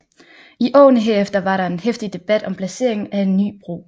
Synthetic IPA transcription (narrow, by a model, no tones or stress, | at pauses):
iʔɒ̰ːnəɦe̝ɐ̰efd̥ɐʋɑ̈ɾɑ̈e̝nhefd̥id̥e̝b̥æd̥ɒ̽mpʰlæse̝̰ɐ̰eŋn̩æe̝nːy̰ːb̥ʁo̝̰ː